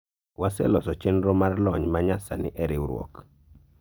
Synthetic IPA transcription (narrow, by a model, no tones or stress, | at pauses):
wasɛ̰lɔsɔt͡ʃenɾomarlɔɲmaɲasa̰nɪ̰ʔɛɾɪwɾwɔ̰k